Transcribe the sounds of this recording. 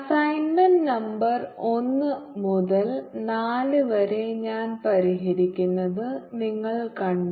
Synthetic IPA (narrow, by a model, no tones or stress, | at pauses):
sɐjnmɐnnɐmbɐro̞nːɨmuðɐlnaːlɨʋɐɾeɲaːnpɐɾiɦɐɾikʲːunːɐðɨniŋːɐɭkɐɳɖ